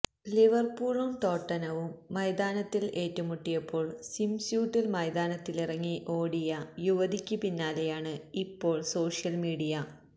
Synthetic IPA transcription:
liʋɐrpuːɭumt̪o̞ːʈːɐnɐʋumːɐjd̪aːnɐt̪ːile̞ːtːumuʈːijɐpːo̞ːɭsimsjuːʈːilmɐjd̪aːnɐt̪ːilirɐŋːiʔo̞ːɽijɐjuʋɐd̪ʱikʲːupinːaːlejaːɳɨipːo̞ːɭso̞ːʂijɐlmiːɽijɐ

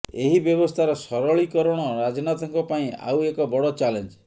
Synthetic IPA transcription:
eɦibjɔbɔst̪ʰaɾɔsɔɾɔɭikɔɾɔɽ̃ɔɾad͡ʒɔnat̪ɔŋkɔpaĩa̰wekɔbɔɽɔt͡ʃalend͡ʒ

